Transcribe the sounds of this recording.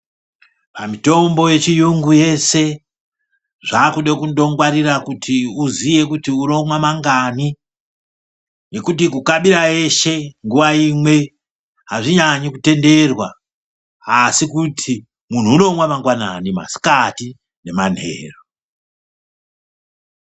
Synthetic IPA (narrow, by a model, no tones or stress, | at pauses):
pamito̞mbo̞je̞t͡ʃijuŋɡuje̞se̞ | ʐakuɗekundo̞ŋɡwaɾirakutʰiuzije̞kutiuno̞mwamaŋɡani | ne̞kut̬ikukaɓiɾae̞ʃe̞ŋɡuʋaimwe̞ | ɦaʐiɲaɲikute̞nde̞rwa | asikutʰi | mun̤uːno̞mwamaŋɡwana̰nima̰si̥kati | ne̞man̤e̞̰ːro